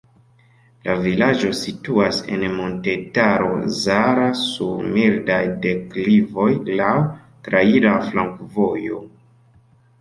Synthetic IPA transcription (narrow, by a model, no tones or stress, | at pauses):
lavilad͡ʒo̞situase̞̰nmo̞nte̞taɾo̞̰zaɾasumildajde̞klivo̞jlaw | tɾaiɾaflaŋkvojo̞